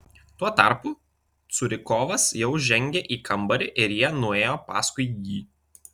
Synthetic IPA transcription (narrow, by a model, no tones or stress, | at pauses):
t̪uɔt̪ɐˑɾpu | t̪sʊɾʲɪkoːʋɐsjɛʊʒʲɛŋʲɡʲeʔiːkʰɐmbɐɾʲɪʔɪɾjiɛnʊeːjoːpɑ̰ːskʊɪjiː